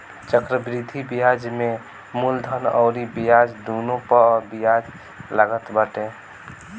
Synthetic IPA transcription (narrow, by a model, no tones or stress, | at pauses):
t͡ʃəkɾəbɾid̪ʱibijad͡ʒmẽ | muld̪ʱənɔ̰ʊɾibijad͡ʒd̪onopəbijad͡ʒ | laɡət̪bəʈẽ